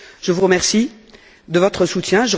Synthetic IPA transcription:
ʒ̥əvuʁəmɛʁsi | d̪əvɔt̪χəsut̪jɛ̃ʒə

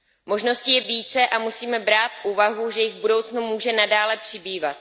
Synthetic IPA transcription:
moʒno̞scijɛviːt͡sɛʔamusiːmɛbɾaːt̪fʔuːvaɦuʒɛjɪɣvbudo̞wt͡snumuːʒɛnadaːlɛpr̥ɪbiːvat̪̚

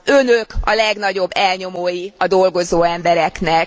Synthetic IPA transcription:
ønøkɒ̰lɛɡnɒɟo̞bːɛlɲo̞moːjiɒd̪o̞lɡo̞zoːɛmbɛɾɛknɛk

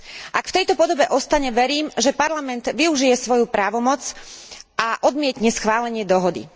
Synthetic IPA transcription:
ʔakft̪ɛjt̪ɔpɔd̪ɔbɛʔɔst̪aɲɛʋɛɾiːmʒɛpaɾlamɛnd̪ʋiuʒijɛsʋɔjupɾaːʋɔmɔt͡sʔaʔɔd̪mɪɛt̪ɲɛsxʋaːlɛɲɪɛd̪ɔɦɔd̪ḭ

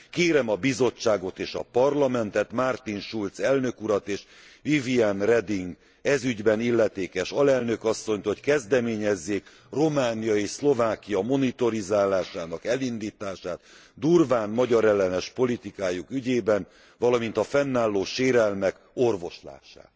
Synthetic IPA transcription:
keːɾɛmɒbizo̞t͡ʃːaːɡo̞t̪eːʃɒ̰pɒrlɒmɛnt̪ɛt̪mart̪inʃult̪sɛlnøkuɾɒt̪eːʃ | vivianrɛd̪iŋɡ | ɛzyɟbɛnilːɛt̪eːkɛʃɒlɛlnø̞kɒsːo̞ɲt̪oo̞ckɛzd̪ɛmeːɲɛzːeːk | ro̞maːnijɒeːʃslo̞vaːkijɒmo̞nit̪o̞ɾizaːlaːʃaːnɒkɛlind̪iːt̪aːʃaːt̪ | d̪urvaːnmɒɟɒɾɛlːɛnɛʃpo̞lit̪ikaːjukyɟeːbɛn | vɒlɒmint̪ɒfɛnːaːlːoːʃeːɾɛlmɛk | o̞rvo̞ʃla̰ːʃa̰ː

